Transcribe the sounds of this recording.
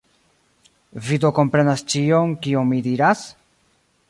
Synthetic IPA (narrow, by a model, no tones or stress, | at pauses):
vid̪oko̞mpɾe̞nast͡ʃio̞ŋkioŋmid̪iɾas